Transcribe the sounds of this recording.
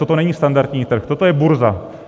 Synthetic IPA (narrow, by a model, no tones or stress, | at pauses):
t̪ot̪onɛɲist̪and̪aɾt̪ɲiːt̪r̩xt̪ot̪ojɛbuɾza